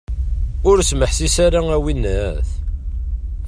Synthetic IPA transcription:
ʊɾsməħsisaɾaæwinːæθ

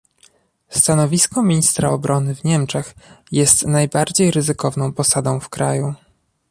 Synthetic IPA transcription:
st̪anɔvʲiskɔmʲiɲist̪ɾaɔbɾʔɔnɘvɲɛmt͡ʂɛxjɛst̪najbaɾd͡ʑejɾɘzɘkɔvnɔ̃w̃pɔsad̪ɔ̃w̃fkɾa̰ju

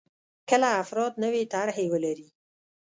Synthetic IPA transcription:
kəlaːfɾɑd̪nəwet̪aɾɦewəlaɾi

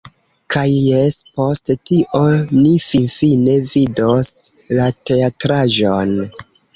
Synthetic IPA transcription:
kʰajːespo̞sttiʔo̞nifinfine̞vidos | late̞atɾaʒon

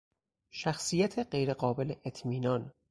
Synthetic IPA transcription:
ʃæxsijæt̪ʰe̞ɢejɾe̞ɢɒːbe̞leʔet̪ʰmiːnɒn

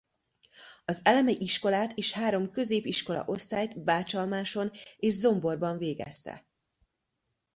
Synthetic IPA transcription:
ɒzɛlɛmɛʔiʃko̞laːt̪ʰeːʃhaːɾo̞mkø̞zeːpiʃko̞lɒ̰ʔo̞st̪aːjt̪baːt͡ʃɒlmaːʃo̞neːʒzo̞mbo̞rbɒɱveːɡɛ̰st̪ɛ̰

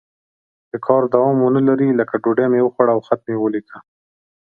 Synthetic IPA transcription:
d̪̥əkʰɑɾd̪awɑmonəlaɾiləkaɖoɖemewəxwaɽaːwxat̪̚mewəlika

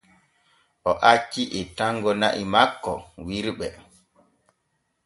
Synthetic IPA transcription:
ʔɔʔat͡ʃːiʔɛtaŋɡɔnaʔimakːɔ̰wiɾɓɛ

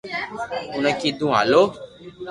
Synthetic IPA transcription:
unə̃kid̪ũɦa̰lo

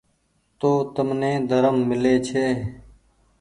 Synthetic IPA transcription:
t̪oːt̪əmnẽːd̪əɾəmːɪleːt͡ʃʰeː

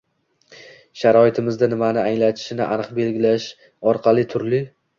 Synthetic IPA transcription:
ʃaɾɒɪt̪ʰɪmɪzd̪anɪmanɪaŋlat̪ʰɪ̥ʃɪnɪʔanɨqbe̞lɡʲɪlaʃ | ɒɾqʰɑlˠɪt̪ʰʊɾlɪ

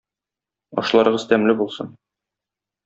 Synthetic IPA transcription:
ɒ̰ʃlˠɑɾɤ̆ʁɤzt̪æmlɘbulˠsɤ̰n

